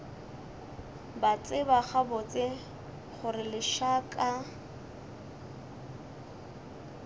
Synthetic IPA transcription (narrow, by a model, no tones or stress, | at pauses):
bat͡sʼɪbaχabʊt͡sʼɪ | χʊrɪlɪʃakʼa